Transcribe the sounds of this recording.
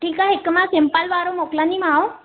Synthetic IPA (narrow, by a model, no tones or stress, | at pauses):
ʈʰiːkaɦekmãsempalʋaɾomoklanimão